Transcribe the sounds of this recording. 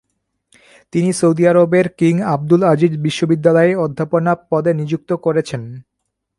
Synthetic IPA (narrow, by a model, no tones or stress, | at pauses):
t̪inisowd̪iaɾobeɾkiŋab̚d̪ulad͡ʑid̪biʃːobid̪ːalɔeɔd̪ʱːaponapɔd̪enid͡ʑuk̚t̪okoɾet͡ɕʰen